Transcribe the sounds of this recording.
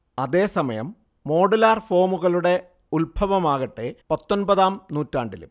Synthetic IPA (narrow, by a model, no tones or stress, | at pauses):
ɐðeːsɐmɐjɐ̰mː | o̞ːɽɐlaːrfo̞ːmuɣɐɭuɽe̞ | ulbʱɐʋɐmaːɣɐʈːepɐt̪ːonbɐðaːmnuːtːaːɳɖilṵm